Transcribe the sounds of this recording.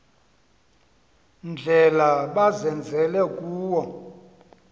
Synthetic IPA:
nd͡ɮʱɛlaɓazɛnd͡zʱɛlɛkʼuːwɔ

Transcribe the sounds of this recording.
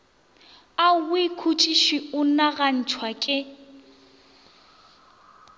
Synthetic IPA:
awɪkʰut͡ʃʼiʃiʊnaɣan̩t͡ʃʰwakʼɪ

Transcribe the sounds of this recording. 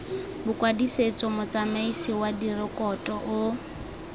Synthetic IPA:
bʊkʼwadiset͡sʼɔmʊt͡sʼamaisiwadirɪkʼɔtʼɔʔʊ

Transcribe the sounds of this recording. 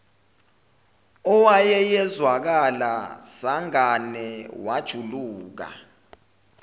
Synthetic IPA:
ɔwajɛjɛzwak̬alasaŋanɛwad̥ʒ̥ʱuluːk̬a̰

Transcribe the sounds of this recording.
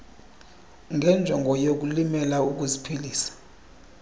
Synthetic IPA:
ŋɡʱɛnd͡ʒʱɔŋɡʱɔjok̬ulimɛlauk̬uzipʰiliːsḁ

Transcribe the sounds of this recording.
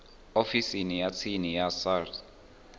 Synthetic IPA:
ofisinijat͡sʰinijasad

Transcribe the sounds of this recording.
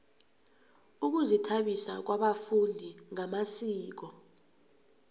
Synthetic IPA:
uk̬uzitʰaɓisak̬waɓafundʱiŋamasiːk̬ɔ

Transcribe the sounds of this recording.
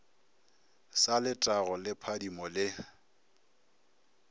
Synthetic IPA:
salɪtʼaɣɔlɪpʰadimɔlɪ

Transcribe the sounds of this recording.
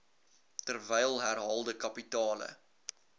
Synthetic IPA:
tərvɛjəlˠɦærɦɑːlˠdəkɐpitɑːlə̰

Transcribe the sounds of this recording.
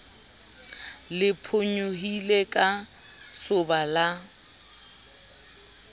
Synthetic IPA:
lɪpʰʊɲʊɦilekʼa | sʊbala

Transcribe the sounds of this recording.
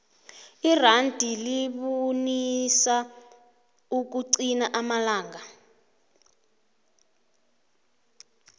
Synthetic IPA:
irandʱʼiliɓonisa | uk̬uǀinaʔamalaːŋɡa

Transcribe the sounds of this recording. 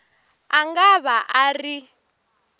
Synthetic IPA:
aŋɡaβaʔari

